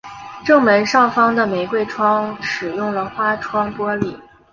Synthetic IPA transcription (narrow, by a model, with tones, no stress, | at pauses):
ʈ͡ʂɤ˥˩ŋmə˧˥nʂɑ˥˩ŋfɑ˥ŋd̪ə˨me˧˥ɪkwe˥˩ɪʈ͡ʂʰwɑ˥ŋʂɻ̩˨˩jʊ˥˩ŋlə˩xwa˥ʈ͡ʂʰwɑ˥ŋpwɔ˥li˨˩˦